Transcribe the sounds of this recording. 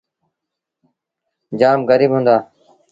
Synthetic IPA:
d͡ʒaːmɡəɾiːbɦũnd̪aː

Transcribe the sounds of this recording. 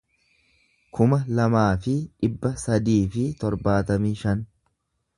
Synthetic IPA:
kʰʊmɐlɐmaːfɪᶑɪbːɐsɐd̪iːfɪt̪ɔɾbaːt̪ɐmiːʃɐn

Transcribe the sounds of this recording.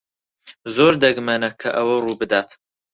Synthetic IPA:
zoːɾd̪ɐɡmɐnɐkʰɐʔɐwɐruːbɨd̪aːt̪

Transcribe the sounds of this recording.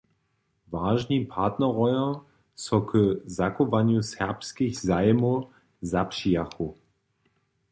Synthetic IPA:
vaːʒnipʰaɐtnɐʁɔʏɐ | sɔkʰəzakovanjusɛʁpskɪçzaɪmo | zapʃiaxu

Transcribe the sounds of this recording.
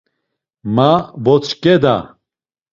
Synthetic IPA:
mabɔt͡sʰkɛd̪a̰

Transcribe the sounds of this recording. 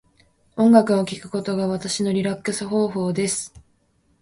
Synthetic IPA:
õ̞ŋɡakɯ̟o̞kʲikɯ̟̥ko̞t̪o̞ɡaβat̪aɕino̞ɾʲiɾakːɯ̟sɨɦo̞ːɦo̞ːd̪e̞sɨ̥

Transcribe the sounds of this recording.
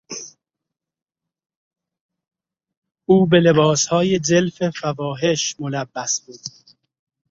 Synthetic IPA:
ʔuːbe̞le̞bɒːshɒːje̞d͡ʒelfe̞fævɒːɦe̞ʃmolæbːæsbuːd̪̥

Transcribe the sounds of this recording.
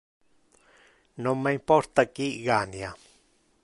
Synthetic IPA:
nõmãimpoɾt̪akiʔɣanĩa

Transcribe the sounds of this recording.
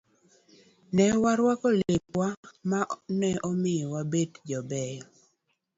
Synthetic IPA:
nɛwaɾwakɔlepwamanɛʔɔmɪwabedd͡ʒɔbɛjɔ

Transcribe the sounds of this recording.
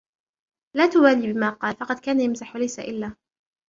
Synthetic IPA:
laːt̪ʊwaːliːbɪmaːqɑːlfɑqɑd̪kaːnajamzaħwalajsa̰ʔɪlːaː

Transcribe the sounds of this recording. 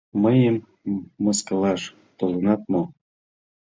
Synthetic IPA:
məjəmː | əskə̆lɑʃ | t̪olənɑt̪̚mo

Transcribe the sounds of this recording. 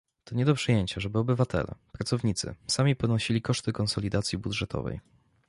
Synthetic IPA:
t̪ɔɲɛd̪ɔpʂɘjeɲt͡ɕaʐɛbɘɔbɘvat̪ɛ̰lɛ̰pɾat̪ɔvɲit̪sɘ̰samʲipɔnɔɕilʲikɔʂt̪ɘkɔnsɔlʲid̪at̪sʲjibudʐɛt̪ʰɔ̰vɛ̰j

